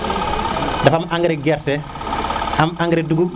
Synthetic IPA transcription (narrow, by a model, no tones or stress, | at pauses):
dɐfamʔaŋɡɾɛɡɛɾtɛ | ʔamaŋɡɾɛduɡu